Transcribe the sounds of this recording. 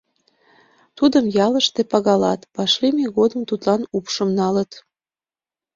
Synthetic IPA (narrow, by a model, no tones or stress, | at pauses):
t̪ud̪əmjɑləʃt̪epɑɣɑlɑt̪pɑʃlimeɣod̪əmt̪ut̪lɑnupʃəmnɑlət̪